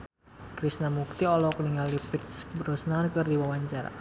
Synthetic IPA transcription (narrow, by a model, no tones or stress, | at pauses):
kɾisnamuk̚t̪iɔlɔkniŋalifit̪sbəɾɔsnankɨrdiwawaɲt͡ʃaɾa̰